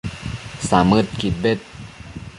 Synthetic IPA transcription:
saːmɯt̪̚kʰit̪̚bet̪̚

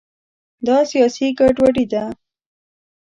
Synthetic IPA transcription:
d̪ɑsijɑsiɡaʈwaɽid̪a

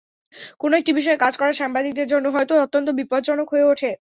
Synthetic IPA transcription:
konoek̚ʈibiʃ̬ɔekad͡ʑkɔɾaɾʃambad̪ik̚d̪eɾd͡ʑonːoɦɔet̪oot̪ːont̪̬obipodd͡ʑonokɦoeoʈʰe

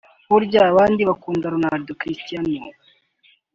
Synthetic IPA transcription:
βuɾɟaβaːndiβakuːndaɾonaɾdokɾistijano

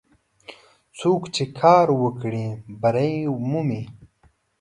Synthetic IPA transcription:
t͡sʰuːkt͡ɕʰekʰaːɾwəkɽĩbɐɾɐĩmumi

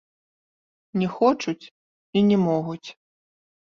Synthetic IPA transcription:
nʲɛxɔt͡ʂut͡sʲ | inʲɛmɔɣut͡sʲ

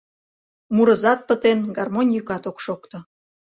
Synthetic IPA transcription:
muɾəzɑt̪̚pət̪enɡɑrmonʲjykɑt̪okʃokt̪ŏ

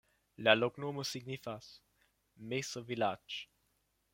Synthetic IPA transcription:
laloɡnoməsiɡnifas | mesəvilat͡ʃ

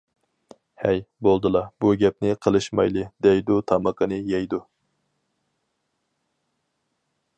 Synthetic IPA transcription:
hɛjbolˠd̪ɨlˠɑbuɡʲɛp̚nɪqʰəlˠɨʃmɑ̰jlˠɨd̪ɛjd̪ut̪ʰɑməqʰənɨjɛjd̪u

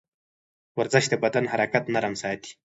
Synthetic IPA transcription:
waɾzɪʃd̪əbad̪anɦaɾakat̪naɾamsɑːt̪i̥

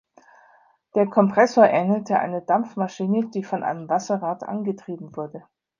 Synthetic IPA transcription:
d̥eːɐkʰɔmpʁ̥ɛsoːɐʔɛnətʰəʔa̰ɪnədamfmaʃiːnəd̥iːfɔnʔa̰ɪnəmvasɐʁaːtʔa̰nɡətʁ̥iːbm̩vʊɐdə

